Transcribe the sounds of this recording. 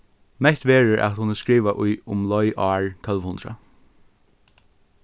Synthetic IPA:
mɛht̪ʋɛːɹəɹʔa̰t̪hʊnəskɹiːʋaʔʊjʊmlɔjʔaːɹt̪ʰœlʋhʊnd̪ɾa̰

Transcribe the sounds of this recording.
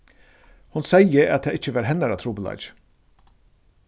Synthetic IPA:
hʊnsɛjəa̰t̪t̪ʰɛːɪt͡ʃːəʋɑːɾɦɛnːaɾat̪ʰɾuːpəla̰t͡ʃ

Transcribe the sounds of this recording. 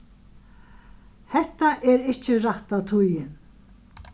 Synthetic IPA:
hɛht̪aʔɛɾɪht͡ʃɪraht̪awt̪ʰujɪn

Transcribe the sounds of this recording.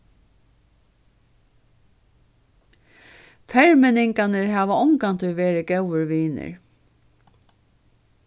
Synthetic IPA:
fɛɹmɛnɪŋkanɪɹɦæːʋaɔŋkant̪ʰʏʋeːɾɪɡɛwəɹʋiːnɪ̰ɹ

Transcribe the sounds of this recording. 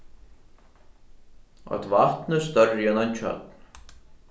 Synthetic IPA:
ɔ̰t̪vaht̪nəst̪œrːjɛnant͡ɕʰœ̰t̪̚n

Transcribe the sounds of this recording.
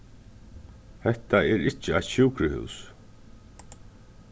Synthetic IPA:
hɛht̪aɛɾɪht͡ʃɪajt̪ɕuːkɾɪhʉ̰ws

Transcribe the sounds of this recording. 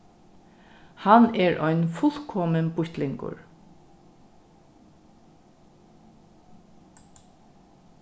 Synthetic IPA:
hanɛːɹʔɔʏnfʊl̥kʰɔmənbʊçt̪lɪŋkʊ̰ɹ

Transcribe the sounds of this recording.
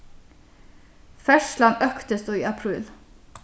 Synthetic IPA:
fɛʃlɑnœkt̪əsd̪oːiːɑpʰɾʉːl

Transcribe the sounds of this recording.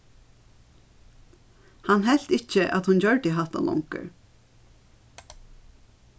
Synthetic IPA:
hanɦɛl̥t̪ɪht͡ʃəʔat̪hʊncœɹʈ̪ɪɦaht̪a̰lʔɔ̰ŋkə̰ɹ

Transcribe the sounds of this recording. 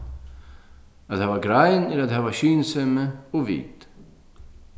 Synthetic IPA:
at̪haːvaɡɾajnɪɾaðhaːvaɕyːnsɛməɔvḭːt̪

